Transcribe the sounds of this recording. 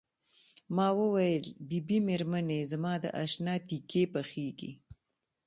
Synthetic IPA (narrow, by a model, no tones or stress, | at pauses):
mɑwəwajəlbibimeɾmanezamɑd̪ə̰ʔaʃnɑt̪ikʰepəxeɡḭ